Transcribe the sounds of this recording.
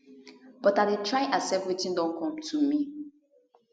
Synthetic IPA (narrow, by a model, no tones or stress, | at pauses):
b̥ɔtadetʰɹaɪʔasɛp̚twitĩndɔ̃nkʰɔ̃mtʰumi